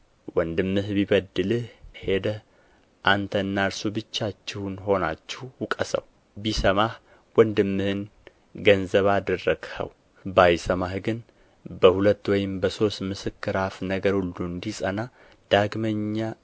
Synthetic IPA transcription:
wɔnd̪ɨmːɨhbiβəd̪ɨlɨhhe̞d̪əh | ʔant̪ʰəɨnːaɾsubɨt͡ʃːat͡ʃːɪhunɦo̞nat͡ʃːɛhwukʼəsə̰w | bisəmah | wɔnd̪ɨmːɨhɨn | ɡənzəβad̪ərːəɡ̥hə̰w | bajsəmahɡɨn | bəhulət̪ːwɔjɪmbəso̞st̪mɨsɨkːɨɾafnəɡəɾhuld̪und̪isʼəna | d̪̥aɡməɲːa

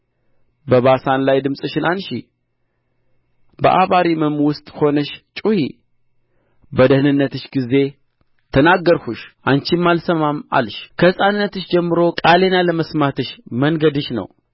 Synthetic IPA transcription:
bəβasanlajd̪ɨmsʼɨʃɪnʔanʃi | bə̰ʔaβaɾiməmwʊst̪ʼho̞nəʃt͡ʃʼuhḭ | bəd̪əhnɨnːət̪ɨʃɡize̞ | t̪ʰənaɡːəɾhuʃʔant͡ʃimːalsəmama̰lʃkʰəsʼanɨnːət̪ɨʃd͡ʒɛmːɨɾo̞kʼale̞naləməsmat̪ʰɨʃmənɡəd̪ɨʃnə̰w

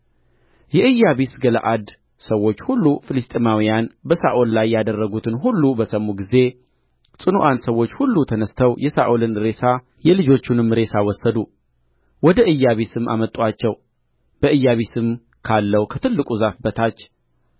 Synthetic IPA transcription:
jɛʔɨjːaβisɡələ̰ʔad̪ | səwːo̞t͡ʃːhulːufɨlɨst̪ʼemawijanbəsaʔollajːad̪ərːəɡut̪ʰɨnɦulːubəsəmːuɡize̞ | sʼɨnuʔansəwo̞t͡ʃːhulːut̪ʰənəst̪ʰəwjɛsaʔolɨnɾe̞sa | jɛlɨd͡ʒo̞t͡ʃːunɨmɾe̞sawɔsːəd̪u | wɔd̪əʔɨjːaβisɨmːʔa̰mət̪ʼuat͡ʃːɛw | b̥əʔɨjːaβisɨm | kʰalːəwkʰət̪ʰɨlːɨkʼuzafbət̪ʰat͡ʃː

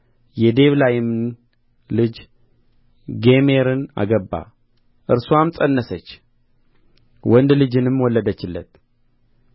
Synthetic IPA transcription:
jɛd̪e̞βlajɪmn | lɨd͡ʒ | ɡeme̞ɾɨna̰ɡəbːa̰ | ʔɨɾsuamt͡sʼənːəsət͡ʃː | wɔnd̪lɨd͡ʒɨnɨmːwɔlːəd̪ət͡ʃːɪlːə̰t̪̚

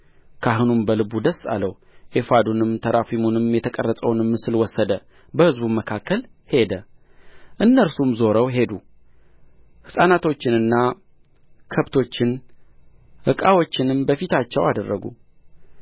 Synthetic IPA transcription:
kʰaɦɨnumbəlɨbud̪əsːa̰lːəw | ʔefad̪unɨmt̪ʰəɾafimunɨmjɛt̪ʰəkʼərːəsʼəwnɨmːɨsɨlwɔsːəd̪ə | bəhɨzbuməkʰakːəl | he̞d̪ə | ʔɨnːəɾsumzo̞ɾəwɦe̞d̪u | hɨsʼanat̪ʰo̞t͡ʃːɪnɨnːa | kʰəβt̪ʰo̞t͡ʃːɪn | hɨkʼawo̞t͡ʃːɪnɨmbəfit̪ʰat͡ʃːɛwad̪ərːəɡṵ

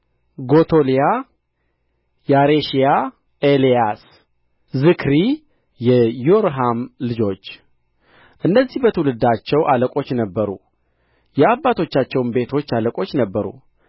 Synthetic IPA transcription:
ɡo̞t̪ʰo̞lija | jaɾeʃija | elijas | zɨkʰɾi | jɛjoɾɦamlɨd͡ʒo̞t͡ʃː | ʔɨnːəzːihbət̪ʰəwulɨd̪at͡ʃːɛwʔaləkʼo̞t͡ʃːnəbːəɾṵ | jɛabːat̪ʰo̞t͡ʃːat͡ʃːɛwmbe̞t̪ʰo̞t͡ʃːaləkʼo̞t͡ʃːnəbːəɾṵ

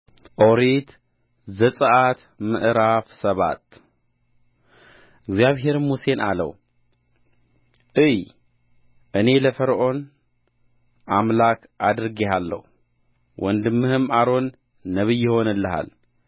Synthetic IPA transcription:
ʔoɾit̪ | zɐt͡sʼɨʔat̪ | mɨʔɾafsɐβa̰t̪̚ | ʔiɡzaβɦe̞ɾmuse̞na̰lɐ̰w | ʔɨj | ʔɨne̞lɐfɐɾʔo̞n | ʔamlakʰ | ʔad̪ɾɡeɦalːɐ̰ | wʔɔnd̪ɨmːɨhɨmaɾo̞nː | ɐβɨjːɪho̞nɐlːɐɦa̰l

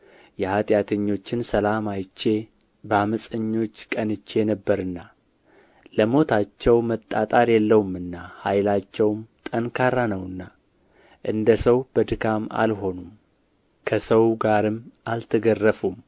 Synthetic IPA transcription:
jɛhat̪ʼjat̪ʰəɲːo̞t͡ʃːɪnsəlamajt͡ʃːe̞ | bəaməsʼəɲːo̞t͡ʃːkʼənɨt͡ʃːenəbːəɾɨnːa | ləmo̞t̪ʰat͡ʃːɛwmət̪ʼːat̪ʼaɾjɛlːəwumːɨnːahajlat͡ʃːɛwmt̪ʼənkʰaɾanəwɨnːa | ʔɨnd̪əsəwb̥əd̪ɨɡama̰lɦo̞num | kʰəsəwɡaɾɨmːʔalt̪ʰəɡərːəfum

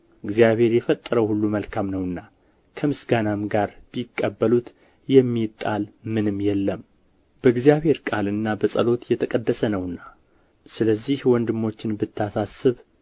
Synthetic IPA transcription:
ɨɡzijaβhe̞ɾjɛfət̪ʼːəɾəwhulːuməlkʰamnəwɨnːa | kʰəmɨsɡanamɡaɾb̥ikʼːəbːəlut̪ | jɛmːit̪ʼːalmɨnɨmjɛlːəm | b̥əɨɡzjaβhe̞ɾkʼalɨnːabəsʼəlo̞t̪jɛt̪ʰəkʼəd̪ːəsənəwɨnːa | sɨləzːihwɔnd̪ɨmːo̞t͡ʃːɪnbɨt̪ʰːasasɨβ

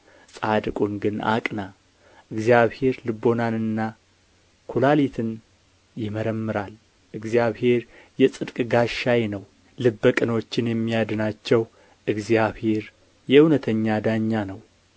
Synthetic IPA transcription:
sʼad̪kʼunɡɨna̰kʼna | ʔɨɡzijaβhe̞ɾlɨbo̞nanɨnːa | kʰulalit̪ʰɨn | jɪməɾəmːɨɾal | ʔɨɡzjaβhe̞ɾjɛsʼɨd̪kʼɡaʃajnəw | lɨbːəkʼɨno̞t͡ʃːɪnjɛmːijad̪ɨnat͡ʃːɛw | ʔɨɡzijaβhe̞ɾ | jɛunət̪ʰəɲːad̪aɲːanəw

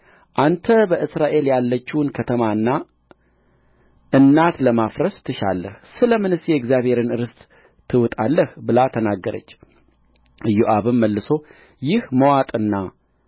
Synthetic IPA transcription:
ʔant̪ʰəbəʔɨsɾaʔe̞ljalːət͡ʃːiwnkʰət̪ʰəmaɨnːa | ʔɨnːat̪ləmafɾəst̪ʰɨʃa̰lːə̰hsɨləmɨnɨsjɛɡzjaβhe̞ɾɨnɨɾɨst̪ʼ | t̪ʰːɨwʊt̪ʼalːəhbɨlat̪ʰənaɡːəɾə̰t͡ʃː | ɨjuʔaβɨmːəlːɨso̞ | jɪhməwat̪ʼɨnːa

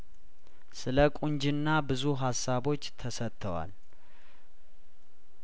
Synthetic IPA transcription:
sɨləkʼuɲd͡ʒɪnːabɨzuɦasːaβo̞t͡ʃːt̪ʰəsət̪ʰːəwa̰l

